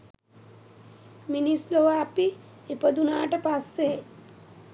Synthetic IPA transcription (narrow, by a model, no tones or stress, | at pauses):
minisloʋaːpi | ipəd̪unaːʈɐpasːe